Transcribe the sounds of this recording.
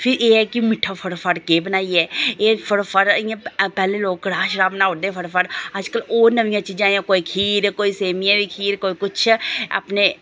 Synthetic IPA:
pʰɪɾeːɦɛːkimɪʈʰaːpʰəɽpʰəɽkeːbənaːiɛːeːpʰəɽpʰəɾɪjãːpɛːlẽloːɡɽaːʃɾaːbənaːɦoːd̪eːpʰəɽpʰəɽəd͡ʒkəloːɾnəʋɪjãːt͡ʃiːd͡ʒaːejãkoːikʰiːɾkoːiseːmijãːbikʰiːɾkoːiːkʊt͡ʃʰə̰pne

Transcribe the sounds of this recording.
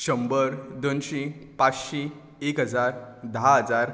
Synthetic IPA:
ɕəmbəɾd̪onɕĩpat͡sɕĩ | ekɦəd͡zaɾd̪əɦaɦəd͡zaɾ

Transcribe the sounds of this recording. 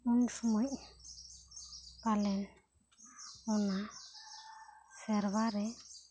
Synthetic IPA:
unsɔmɔɲ̚ | palɛn | ɔna | sɛɾβaɾɛ

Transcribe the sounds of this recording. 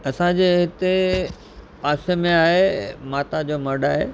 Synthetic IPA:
ɐsãd͡ʑeːɦɪt̪e | paːsemẽaːɦemaːt̪ad͡ʑoːmɐɾɖaːɦḛ

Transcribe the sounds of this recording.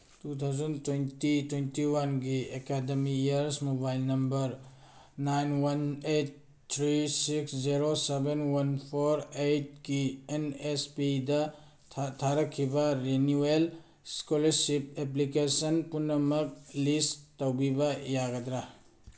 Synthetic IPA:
tut̪ʰawzɐntwentitwentiwanɡiekademijaɾsmobajlnɐmbɐɾ | najnwanejt̚ | t̪ʰɾisiksd͡ʒiɾosebenwɐnpʰoɾejt̚ɡienespidɐ | tʰaɾɐkʰːibɐɾenuel | skolɐɾsip̚eplikesɐnpunːɐmɐk̚listowbibɐjaɡɐdɾa

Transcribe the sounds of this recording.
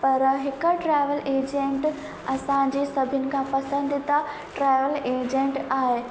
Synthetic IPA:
pɐɾɦɪkəʈɾaːɪʋəleːd͡ʑẽɳʈ | ɐsãɲd͡ʑeːsɐbʱɪənɪ̆kʰãpɐsə̃nd̪ɪt̪a | ʈɾaːɪʋəleːd͡ʑẽɳʈaːɦe

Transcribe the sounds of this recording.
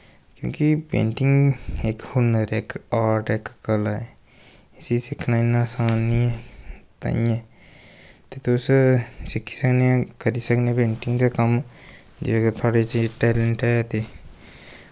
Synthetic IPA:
kjõ̰ːkipḛ̃ːɳʈɪŋɡekhʊnəɾeːkaːɾʈɛːkːəlaɛ | ɪsisɪkʰnaːɪnːaːsaːniːɛt̪a̰ːĩɛː | t̪eːt̪ːssɪkʰːi̥ːsəknẽkəɾiːsəkneːpẽːɳʈɪ̃ŋɡd̪aːkəm | d͡ʒet̪ʰaːɽeːt͡ʃiːʈɛːləɳʈɛːt̪eː

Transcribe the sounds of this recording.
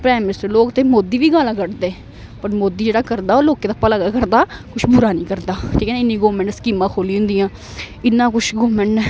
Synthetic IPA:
pɾɛːmɪnɪsʈəɾloːkt̪eːmoːd̪iːʋiːɡaːlãːkəʈd̪eː | pəɾmoːd̪iːd͡ʒeːɽaːkəɾd̪aːoːloːkeːd̪aːpəlaːɡaːkəɾd̪aːkʊt͡ʃʰbʊɾaːnĩːkəɾd̪aːʈʰiːkɛːnːɪnːĩːɡoːʋmɛ̃ɳʈskiːmãːkʰoːliːɦʊ̃nd̪iːãː | ɪnːãːkʊt͡ʃʰɡoːʋmɛ̃ɳʈ

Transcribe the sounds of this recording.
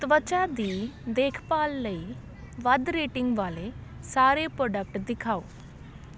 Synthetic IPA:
t̪əʋət͡ʃaːd̪iːd̪eːkʰpaːlːəiː | ʋəd̪ɾeːʈɪŋɡʋaːleːsaːɾeːpɾoːɖək̚ʈd̪ɪkʰaːo̰ː

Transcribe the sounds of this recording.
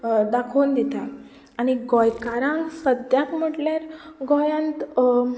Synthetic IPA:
d̪akʰoːnd̪it̪a | aɽ̃iɡɔjkaɾãŋɡsəd̪jakm̤əʈljaɾɡɔjãnt̪

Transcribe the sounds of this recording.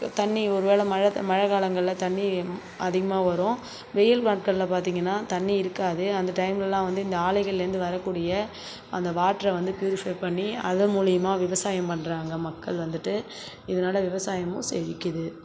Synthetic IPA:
t̪ɐɳːiɔɾɯʋeːɭɐmɐɻɐmɐɻɐɣaːɭɐŋɡɐɭɪlɐt̪ɐɳːi | ɐðɪɣɐmaːʋɐɾʊ̃ | ʋɛjɐlkaːʈ̚kɐɭlɐpaːɾt̪iːŋɡɐnːaːt̪ɐɳːiɪɾɯkːaːðɯɐnd̪ɐʈɐɪmlɛlːãːʋɐnd̪ɯɪnd̪ɐaːlɐɪɣɐɭɪɪɾɯnd̪ɯʋɐɾɐkːuːɽɪjɐ | ɐ̰nd̪ɐʋaːʈːɾɐʋɐnd̪ɯpjuːɾɪfɐɪpɐɳːiɐðɐmuːlɪjɐmaːʋɪʋɐsaːjɐmpɐɳːɾaːŋɡɐmɐkːɐɭʋɐnd̪ɯʈːɯ | ɪðɐnaːlɐʋɪʋɐsaːjɐmʊ̃sɛ̰ʋɪkʲːɯðɯ

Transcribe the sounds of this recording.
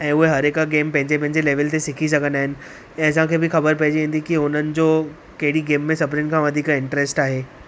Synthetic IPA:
ɛ̃ːʊɦeɦɐɾekɡeːmpɐ̃ɦɪ̃ɲd͡ʑepɐ̃ɦɪ̃ɲd͡ʑeleːʋəlt̪ʰesɪkʰis̬ɐɡʱə̃nd̪aːɦɪnɪ̆ | ɛ̃ːɐs̬ãkʰeːbɪxɐbəɾpɐɦɪd͡ʑʋĩːn̆d̪ikiʊnənɪ̆d͡ʑoː | kɐɦɪɽiɡeːmːẽsɐpɾɪnkʰãːʋɐd̪ʱikɪ̃ɳʈɾesʈaːɦeː

